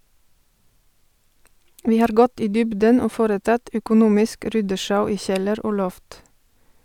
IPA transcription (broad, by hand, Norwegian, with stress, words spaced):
ˈʋiː ˈhɑːɾ ˈɡɔt ˈiː ˈdʏbdən ˈoː ˈfoːɾəˌtɑt œkʊˈnuːmɪsk ˈɾʏdəˌʃɑʉ ˈiː ˈçɛləɾ ˈoː ˈlɔft